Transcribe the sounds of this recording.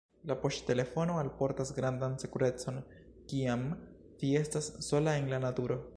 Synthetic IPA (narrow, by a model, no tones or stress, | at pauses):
lapo̞ʃte̞le̞fo̞no̞alpo̞ɾtasɡɾandansekuɾe̞t͡so̞n | kiam | tie̞stasːo̞lae̞nlanatuɾo̞